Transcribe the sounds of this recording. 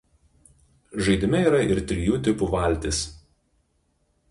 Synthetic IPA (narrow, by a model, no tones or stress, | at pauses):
ʒɐɪd̪ʲɪmʲɛiːɾɐɪɾt̪ʲɾʲɪjuːt̪ʲɪpuʋɐˑlʲt̪ʲɪs